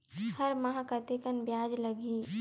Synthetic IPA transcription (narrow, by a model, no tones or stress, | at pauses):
hɐɾmɐɦakɐt̪ekənbjaːd͡ʒlɐɡiː